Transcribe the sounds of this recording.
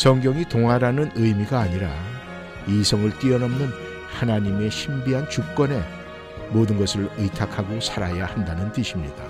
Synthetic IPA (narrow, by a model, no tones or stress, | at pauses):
sʰʌŋɡjʌŋitoŋɦwaɾanɯnɯjmiɡaːɲiɾa | isʰʌŋɯɭt͈iʌnʌmnɯn | hanaɲime̞ɕʰimbiɦant͡ɕuk̚k͈ʌne̞ | modɯnɡʌsʰɯɭɯtʰakʰaɡosʰaɾajahandanɯntɯɕʰimɲid̥a